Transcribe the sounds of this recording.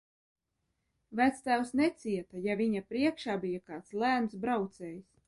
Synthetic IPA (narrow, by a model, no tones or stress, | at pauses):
væt̪st̪æwsnɛt̪siɛt̪ajavʲiɲapɾiɛkʃaːbijakɑːt̪slæːnsbɾawt̪sɛːjis